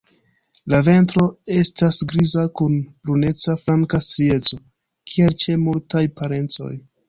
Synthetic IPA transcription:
lave̞ntɾo̞e̞stasɡɾizakunb̥ɾune̞t͡safɾaŋkastɾie̞t͡so̞ | kʰie̞lt͡ʃe̞multajpaɾe̞nt͡so̞̰j

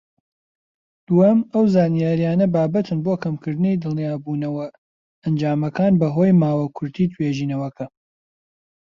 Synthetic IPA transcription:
d̪̥uɐmɐwzaːnijaːɾijaːnɐbaːbɐt̪ʰɨnboːkʰɐmkʰɨɾd̪ɨnejd̪ɨlˠnijaːbuːnɐwɐ | ɐnd͡ʒaːmɐkaːnbɐɦoːjmaːwɐkʰʊɾt̪ʰiːt̪ʰweːʒiːnɐwɐkʰɐ

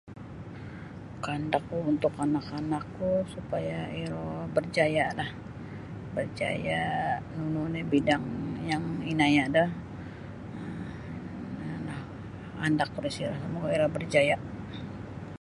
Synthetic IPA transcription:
kandakːuunt̪ʊkanakanakːusupajaiɾobərd͡ʒajalah | bərd͡ʒa̰janununebidaŋjaŋinajadah | anah | a̰ndakːuɾisilahsamukaiɾɔbərd͡ʒaja

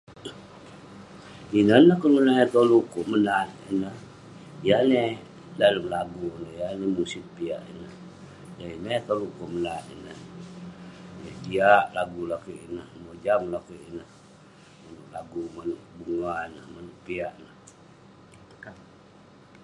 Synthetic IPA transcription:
inənəhkəlunaet̪olukoʔmənat̪inəh | jane | daləmlaɡunəhjanemusit̪̚pia̰ʔḭnəh | ləinət̪olukoʔmənat̪ḭnəh | jəhpiaʔlaɡulakuʔinəhmod͡ʒamlakuinəh | manuʔlaɡumanuʔbuŋanəhmanuʔpiaʔnəh

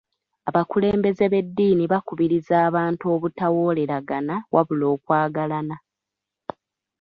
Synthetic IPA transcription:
aβakule̞ːmbe̞ze̞βe̞dːiːniβakuβiɾizaːβaːntuo̞ːβutawo̞ːle̞ɾaɡanawʔaβulo̞ːkwaːɡalana

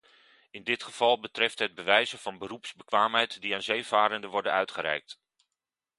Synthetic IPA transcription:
ɪndɪtχəv̥ɑlˠbətrɛftɦəd̚bəʋɛjzəvɑnbərupsbəkʋaːmɦɛjtdiaːnzejvaːɾəndəʋɔɹdənœɥtχəɾɛ̰jk̚t

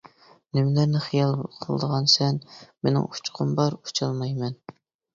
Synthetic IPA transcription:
nɪmlæɾnɪχijɑlˠbˠqʰəlˠəd̪əʁɑnsɛnmenɪ̰ŋu̥t͡ʃʰqʰʊmbɑɾu̥t͡ʃʰɑlˠmɑjmɛn

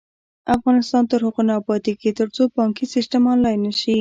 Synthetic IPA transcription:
afɣɑnɪst̪ɑnt̪əɾhʊqunapɑt̪iket̪əɾt͡sobɑŋkisɪsʈamɑnlɑjnːəʃi

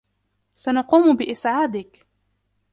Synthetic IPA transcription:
sanɑquːmʊbɪʔɪsʕaːd̪ɪk

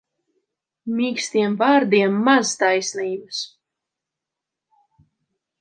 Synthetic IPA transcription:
mʲiːkst̪iɛmvaːɾd̪iɛmːazt̪ajsniːbɨs

